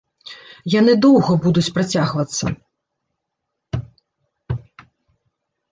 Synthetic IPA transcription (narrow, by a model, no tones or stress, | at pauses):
janɨd̪ɔwɣɐbud̪ut͡sʲpɾat͡sʲaɣvɐt̪sːɐ̰